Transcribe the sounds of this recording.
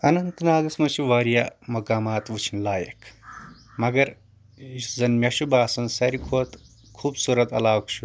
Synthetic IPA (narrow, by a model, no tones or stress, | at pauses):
ɐnɐnt̪naːd̪ɐsmɐt͡ʃʰuʋaːɾijamɐkaːmaːt̪ʋut͡ʃʰinlaːjɐ̰kʰ | mɐɡɐɾ | izɐnmʲjɐʃubaːsɐnsɐɾikʰoːt̪ | kʰuːbsuɾɐt̪ɐ̰laːkt͡ʃʰu